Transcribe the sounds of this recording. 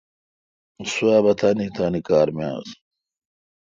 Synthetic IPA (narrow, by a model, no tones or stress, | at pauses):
suaːbɐt̪ʰaːnit̪ʰaːnikaːɾmja̰ːz